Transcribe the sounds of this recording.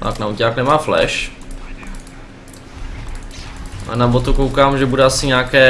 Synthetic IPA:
a̰knaucaːknɛmaːflɛ̰ʃ | ʔa̰nabot̪ukowkaːmʒɛbudɛasɪɲaːkɛː

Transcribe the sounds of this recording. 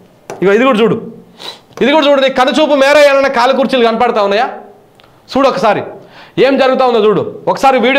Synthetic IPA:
iɡoid̪iɡuːɽd͡ʒuːɽu | id̪iɡuːɽɐt͡ʃuːɽund̪ikɐnːut͡ʃuːp̬umɛːɾɐjanɐnːɐkaːlɐk̬uːɾt͡ʃilukɐnɐpɐɽt̪aːunːɐjaː | suːɽɔkːɐsaːɾḭeːmd͡ʒɐɾuɡut̪aːund̪oːd͡ʒuːɽṵɔkːɐ̥saːɾiʋiːɽi

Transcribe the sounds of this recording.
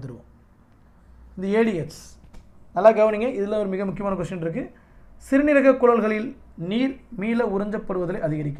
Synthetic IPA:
t̪ɯɾɯʋõ̰ | ɪnd̪ɐeːɽɪeʈs | nɐlːaːɡɐʋɐnɪŋɡɐʔɪðɪlːaʋɔɾɯmɪɣɐmʊk̬ːɪjɐmaːnɐkɔʂɐ̃nʈɪɾɯk̬ːɯ | sɪɾɯnɪɾɐɣɐkːʊɻɐlɣɐɭɪl | niːɾmiːlɐʊɾɐɲd͡ʒɐpːɐɽɯʋɐðɐlɐɪʔɐðɪɣɐɾɪk̬ʲːɐ

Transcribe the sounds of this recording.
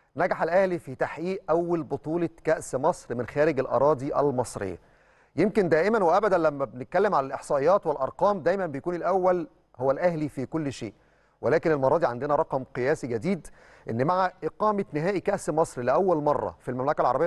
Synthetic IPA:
næɡaħelʔæhlifit̪aħʔiːʔʔæwːælbot̪ˤuːlɑkæʔsmɑsˤɾmɪnxæːɾɪɡælʔɑ̰ɾˤɑːd̪iʔæ̰lmɑsˤɾḛjːæ̰ | jemkend̪æːʔɪmænweʔæbæd̪ænlæmːæbenet̪̚kælːemʕalælʔeħsˤɑːʔejːɑːt̪welʔɑ̰ɾˤqɑːmd̪æjmæmbejækuːnelʔæwːæl | howːælʔæhlifikolːʃeːʔ | welæːkenelmɑɾˤɑːd̪ˤiʕand̪enæɾˤɑqɑmqejæːsiɡæd̪iːd̪ | ʔenːmaʕaʔeqɑːmænɪɦæːʔikæʔsmɑsˤɾlɪʔæwːælmɑrˤːɑ̰filmæmlækælʕɑɾˤɑbejː

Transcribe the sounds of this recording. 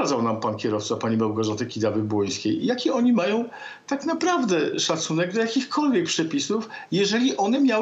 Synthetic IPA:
ad̪zawnampankʲɛɾɔft̪sapaɲimawɡɔʐat̪ɘkʲid̪avɘbwɔj̃skʲejjakʲiɔɲimajɔ̃w̃ | t̪aknapɾavd̪ɛʂat̪sunɛɡ̚d̪lajakʲixkʰɔlvʲjɛk̚pʂɛpʲisufjɛʐɛlʲiʔɔnɛmʲjaw

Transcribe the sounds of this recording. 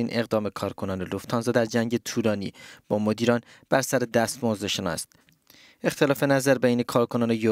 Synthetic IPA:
iːnʔe̞ɣd̪ɒːme̞kʰɒːɾkʰo̞nɒːneloft̪ʰɒːnzɒːd̪æɾd͡ʒæŋɟet̪ʰuːlɒːnḭːb̥ɒːmod̪iːɾɒːn | b̥æɾsæɾed̪æst̪mɒːzeʃenɒ̰st̪ | e̞xt̪ʰe̞lɒːfe̞næzæɾbejne̞kʰɒːɾkʰonɒːnejo

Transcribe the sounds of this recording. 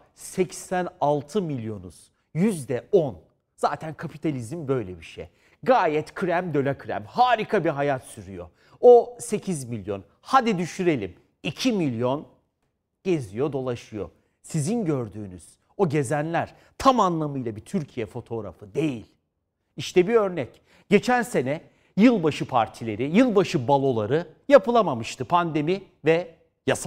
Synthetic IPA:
sɛcsænalˠt̪ʰɯmilʲjo̞nṵz̥ | jyzd̪ɛo̞n | z̥aːt̪ʰænkʰapʰi̥t̪ʰalʲizimbø̞jlʲɛbiʃḛj | ɡaːjɛt̪kʰɾæmd̪ø̞lʲakʰɾæ̰mhaːɾikʰabiɦajat̪syɾyjo̞̰ | ose̞cʰizmilʲjo̞n | had̪id̪yʃyɾe̞lʲim | icʰimilʲjo̞n | ɟ̥e̞zijo̞d̪o̞lˠaʃɯjo̞̰ | sizinɟø̞ɾd̪yːny̰z̥ | o̞ɟe̞zænlʲæɾ̥ | t̪ʰamanlˠamɯjlˠabit̪ʰyɾcʰijɛfo̞t̪ʰo̞ɾa̰fɯd̪e̞jilʲ | iʃt̪ɛbiø̞ɾnɛc | ɟ̥e̞t͡ʃʰænse̞nɛ | jɯlˠbaʃɯpʰaɾt̪ʰilʲe̞ɾijɯlˠbaʃɯbalˠo̞lˠaɾɯ | japɯlˠamamɯʃt̪ʰɯpʰand̪e̞mi | vɛ | jasa

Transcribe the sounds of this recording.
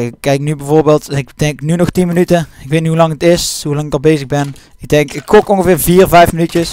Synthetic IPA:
ɪkːɛjknybɛjvoːɹbeːlˠtnɪkdɛŋknynɔxtinmənytəɪkʋejtnihɦulɑŋətɪsɦulɑŋɪkɑlˠbejzəɣbɛn | ɪɡ̚dɛŋkɪkːɔkɔnɣəvɪːɹviːrvɛjfmənytjəs

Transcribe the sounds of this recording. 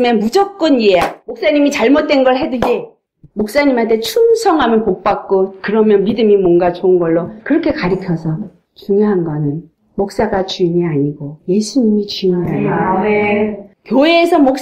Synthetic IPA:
menmud͡ʑʌk̚k͈ɯniejamok̚s͈aɲimit͡ɕaɭmot̚t͈e̞nɡʌɭɦe̞dɯd͡ʑe | mok̚s͈aɲimɦantʰe̞t͡ɕʰumsʰʌŋɦamjʌnpok̚p͈ak̚k͈okɯɾʌmjʌnmidɯmimwʌnɡat͡ɕoɯnɡʌɭːokɯɾʌkʰe̞kaɾɯkʰjʌsʰʌ | t͡ɕuŋjoɦanɡʌnɯn | mok̚s͈aɡat͡ɕuiɲiaɲiɡoje̞sʰuɲimit͡ɕiŋʌjaamekjoeːsʰʌmok̚s

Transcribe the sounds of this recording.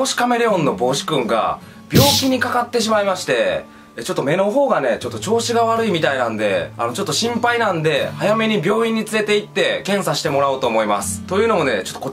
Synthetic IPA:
oːɕi̥kame̞ɾeõ̞nːo̞bo̞ːɕi̥kɯ̟̃ŋɡa̰ | b̥ʲo̞ːkʲiɲ̟ikakat̪ːe̞ɕ̬imaimaɕi̥t̪e̞ | t͡ɕo̞t̪ːome̞no̞ɦo̞ːɡane̞t͡ɕo̞t̪ːo̞t͡ɕo̞ːɕiɡaβaɾɯ̟imʲit̪ainãnd̪e̞a̰no̞t͡ɕo̞t̪ːoɕĩmpainãnd̪e̞hajame̞ɲ̟ibʲjo̞ːĩɲ̟ːit͡sɨɾe̞t̪e̞it̪ːe̞kẽ̞ɰ̃saɕi̥t̪e̞mo̞ɾaot̪o̞ːmo̞ima̰sɨ̥t̪o̞jɯ̟ːno̞mo̞ne̞t͡ɕot̪ːoko

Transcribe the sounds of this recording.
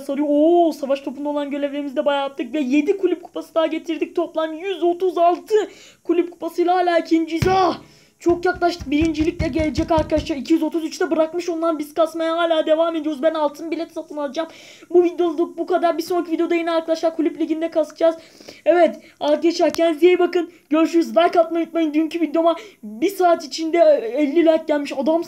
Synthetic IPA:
salɾɯjoosavaʃt̪ʰo̞pund̪alˠanɟø̞lʲevʲeimizd̪ɛbajap̚t̪ːɯkvɛje̞d̪ikʰulʲyp̚kʰu̥pʰasɯd̪aɟe̞t̪ʰiɾd̪ic̚t̪ʰo̞plˠanjyzo̞t̪uzalˠt̪ʰɯ | kʰulʲyp̚kʰu̥pʰasɯjlˠaɦaːlʲaːicʰind͡ʒiza | t͡ʃʰo̞kjaklˠaʃt̪ʰɯk̚biɾind͡ʒilʲicʲlʲɛɟelʲed͡ʒɛcaɾkʰad̪aʃlˠaɾicʰijyzo̞t̪uzyt͡ʃt̪ɛbɯɾakmɯʃond̪anbiz̥kasmajaɦaːlʲaːd̪e̞vaːme̞d̪ijo̞ɾuzbænalˠt̪ʰɯnbilʲɛt̪sat̪ʰɯnalˠɯd͡ʒam | buvid̪jo̞zlˠuk̚bukad̪aɾbisonɾakʰivid̪ejo̞d̪ajenɛaɾkʰad̪aʃlˠaɾkʰulʲyplʲiɟind̪ɛkʰasɯd͡ʒaz | ɛvɛt̪ | ak̪jaʃaɾcʰænzjejbakɯnɟøɾyʃyɾyzd̪aɾkat̪majyt̪̚majind̪yjyncʰyvid̪jomabisaːt̪it͡ʃʰind̪ɛɛlʲːilʲaːt̪̚ɟælʲmiʃad̪am

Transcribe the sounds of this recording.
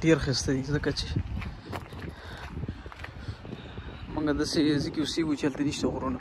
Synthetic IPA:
ʈeɾxist̪ad̪izəkat͡ʃe | muŋɡad̪asezikeuseɡut͡ʃealt̪aniʃt̪aɣɾuna

